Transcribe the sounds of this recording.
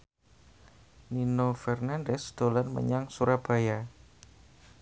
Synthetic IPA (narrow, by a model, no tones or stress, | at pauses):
ninofɛrnandɛsd̪̥olanmə̰ɲaŋsuɾab̥a̤ja